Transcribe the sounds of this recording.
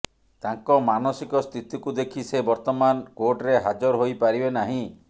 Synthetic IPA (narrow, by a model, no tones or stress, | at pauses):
t̪aŋkɔmanɔsikɔst̪ʰit̪ikud̪ekʰisebɔɾt̪ɔmankoʈɾeɦad͡ʒɔɾɦojpaɾibenaɦĩ